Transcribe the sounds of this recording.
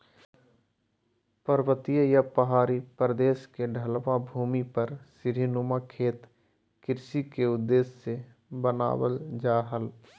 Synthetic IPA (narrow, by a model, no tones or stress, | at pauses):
pəɾwət̪ijəjapəɦaːɾipɾəd̪eːskeɖʱəlʋabʱuːmipɐɾsɪɾinumakʰeːt̪ | kɪɾsikeʊd̪ːeːsːe | bəna̰ːwəld͡ʒaːɦəl